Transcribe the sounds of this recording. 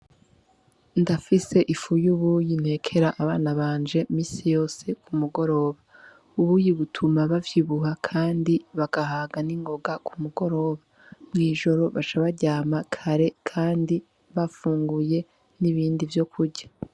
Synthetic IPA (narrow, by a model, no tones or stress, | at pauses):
ndafise̞ʔifujuβujin̥he̞ːkʰe̞ɾaʔaβaːnaβaːnd͡ʒe̞miːsijo̞ːse̞kumuɡo̞ɾo̞ːβa | uβujiβutʰumaβavjiβuhakʰaːndiβaɡ̥aɦaːɡaniŋɡo̞ɡakumuɡo̞ɾo̞ːβa | mŋiːʒo̞ɾo̞βat͡ʃaβaɟaːmakʰaɾe̞kʰaːndi | βafuːŋɡuje̞ | niβiːndivjo̞kuɾɟa